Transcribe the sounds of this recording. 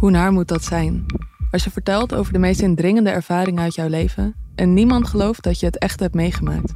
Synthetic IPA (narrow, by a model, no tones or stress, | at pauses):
hunaːɹmut̚dɑtsɛjnɑsjəvəɹtɛlˠto̰wvəɹdəmejstɪndrɪŋəndəʔɛɹv̥aːɾɪŋənœɥtjɔwlejvənʔɛnːimɑntχəlowft̚dɑtjəɦətɛχtəɦɛptmejχəma̰ːk̚t